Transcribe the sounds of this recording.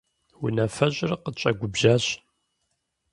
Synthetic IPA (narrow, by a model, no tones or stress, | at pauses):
wʊnɐfɐɕʼrqət͡ʃʼɐɡʷʊbʒaːɕ